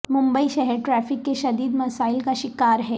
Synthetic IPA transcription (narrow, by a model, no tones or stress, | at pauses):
mʊ̃mbəiʃɛɦɛɾʈɾɛːfɪkːeʃɐd̪iːd̪mɐsaːɪlkaʃɪkaːɾɦɛː